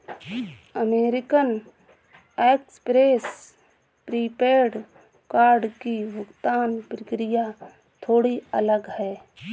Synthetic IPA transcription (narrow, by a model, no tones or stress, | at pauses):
əmeːɾɪkən | ekspɾeːs | pɾipeːɾɖ | kaːɾɖkibʊkt̪aːnpɾəkɾija | t̪ʰoːɽiələɡɦɛː